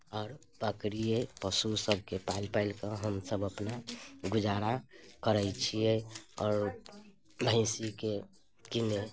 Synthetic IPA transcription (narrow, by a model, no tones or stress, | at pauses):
ɔːɾ | bəkɾijepəsusəb̚ʱkepailpaɪlkəɦəmsəbəpnaɡud͡ʒaɾakəɾət͡ʃʰijeɔːɾ | bʱə̃ɪ̃sike | kine